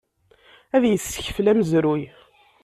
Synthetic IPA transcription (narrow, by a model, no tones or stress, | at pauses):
æðjəsːə̥çə̥flæməzɾuj